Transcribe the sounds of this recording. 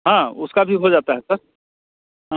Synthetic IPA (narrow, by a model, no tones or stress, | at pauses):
ɦãːʊskabʱiɦod͡ʒaːt̪aɦɛsɐɾ | ɦ